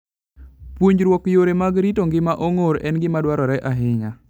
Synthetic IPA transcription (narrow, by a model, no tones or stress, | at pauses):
pwoɲɾwɔkjoɾemaɡɾitoŋɡɪmaʔoŋoɾɛnɡɪmadwaɾɔɾɛʔaɦɪɲa